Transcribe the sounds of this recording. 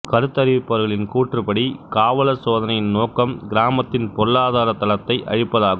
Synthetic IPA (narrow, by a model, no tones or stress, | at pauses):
kɐɾɯt̪ːɐɾɪʋɪpːɐʋɐɾɣɐɭɪnkuːʈrɯpɐɽikaːʋɐlɐsoːðɐnɐjɪnnoːkːɐmɡɪɾaːmɐt̪ːɪnpɔɾlːaːðaːɾɐt̪ːɐlɐt̪ːɐɪʔʔɐ̰ɻɪpːɐðaːɣɯ